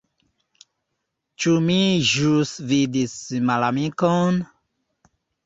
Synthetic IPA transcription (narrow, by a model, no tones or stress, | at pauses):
t͡ʃumĩʒusvid̪isimalamĩkɔn